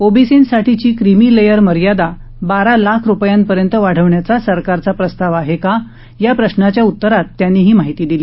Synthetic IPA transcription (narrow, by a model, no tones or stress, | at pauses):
obisinsaʈʰit͡ɕiːkɾimilejəɾməɾjad̪a | baɾalakʰɾupjanpəɾjənt̪əʋaɽ̤əʋɳjat͡sasəɾkaɾt͡sapɾəst̪aʋaɦeka | japɾəɕnat͡ɕjaut̪ːəɾat̪ːjanːiːɦiːmaɦit̪iːd̪iliː